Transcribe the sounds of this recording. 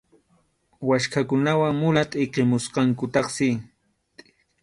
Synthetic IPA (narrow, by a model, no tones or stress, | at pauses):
waʃkakʊnawaŋmʊlat̪ʼɪqemʊsqɑŋkʊt̪ɑχsɪ